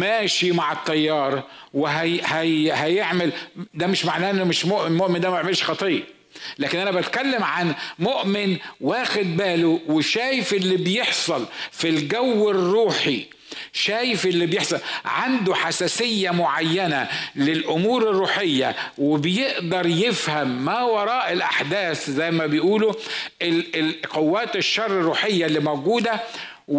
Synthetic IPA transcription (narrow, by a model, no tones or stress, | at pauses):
mæːʃimaʕet̪ˤːɑjːɑːɾˤweɦæhæhæjeʕmeld̪æmeʃmaʕnæːʔnːomeʃmoʔmoʔmend̪æmæeʕmelʃxɑt̪ˤiːʔ | læːkɪnʔænæbæt̪kælːemʕanmoʔmɪnwæːxed̪̚bæːloweʃæːjefʔelːibjeħsˤɑlfilɡæwːerːuːħi | ʃæːjɪfʔɪlːibjeħsˤɑlʕand̪oħasæːsɪjːamʊʕajːænælɪlʔʊmuːɾɪrːuːħejːæ̰wɪbɪjeʔd̪ɑɾˤjefhæmːæwɑɾˤɑːʔɪlʔaħd̪æːθzæjːmæbejʔuːlo | qowːæːt̪ɪʃːɑrˤːɪrːuːħejːalːimowɡuːd̪æ